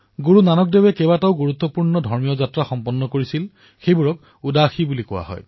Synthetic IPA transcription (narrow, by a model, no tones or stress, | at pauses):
ɡuɹunanɔk̚debɛkɛbataʊɡuɹut̪ːɔpuɹnɔdʱɔɹmijɔzatɹaxɔmpɔnːɔkoɹisil | xejbuɹɔk | udaxibulikɔwa̰ɦɔ̰j